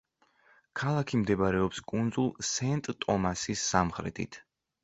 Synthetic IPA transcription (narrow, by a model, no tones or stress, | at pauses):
kʰalˠakʰimd̪ɛbaɾɛɔpskʼund̪zulˠsɛnt̪ʼt̪ʼɔmasisːamχɾɛ̰t̪ʰḭt̪ʰ